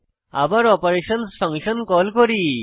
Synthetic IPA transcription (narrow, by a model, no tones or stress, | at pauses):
a̰baɾɔpɔɾeʃɔnspʰɔŋʃɔnkɔlkɔɾi